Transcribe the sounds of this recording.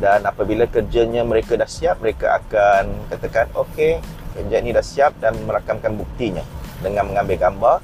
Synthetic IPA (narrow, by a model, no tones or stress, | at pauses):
danapabilakərd͡ʒaɲãmə̃ɾekadahsiap̚məɾeka̰ʔa̰kankat̪akanoke | kərd͡ʒainĩdahsiap̚danməɾakamkanbuk̚t̪iɲãdəŋãnmə̃ŋãmbɪlɡambar